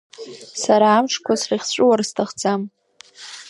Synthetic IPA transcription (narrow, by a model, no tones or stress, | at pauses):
saɾaːmʈ͡ʂʰkʷʰasriχʲt͡ɕʷʼɨwarstʰaχd͡zam